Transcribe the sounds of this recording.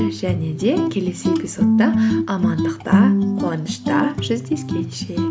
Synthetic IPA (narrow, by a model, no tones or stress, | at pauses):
ʒ̥æne̞d̪e̞kʲʰe̞le̞se̞ɡʲɪso̞t̪ːɑɑmɑnd̪əqt̪ɑqʰoɑnəʃt̪ɑ̰ʒ̥ʏzd̪e̞skʲe̞nʃe